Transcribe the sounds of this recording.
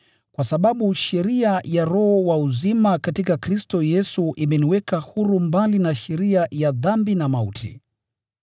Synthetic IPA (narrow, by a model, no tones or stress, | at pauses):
kwasaɓaɓuʃɛɾiajaɾɔhɔwauzimakatikakɾistɔjɛsuʔimɛniwɛkahuɾumbalinaʃɛɾiajaðambinamaṵtʰḭ